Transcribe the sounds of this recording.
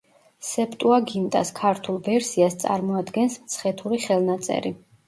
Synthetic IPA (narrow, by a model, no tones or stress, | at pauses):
sɛpʰt̪ʼuaɡimt̪ʼa̰skʰaɾt̪ʰulˠvɛɾsiast̪sʼa̰ɾmɔad̪ɡɛnsmt̪sʰχɛt̪ʰuɾiχɛlˠnat̪sʼɛ̰ɾi